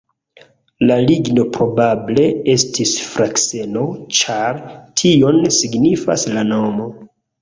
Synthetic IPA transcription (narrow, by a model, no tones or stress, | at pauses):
laliɡno̞pɾo̞bable̞e̞stʰisfɾakse̞no̞t͡ʃaɾtʰio̞nsiɡnifa̰slano̞mo̞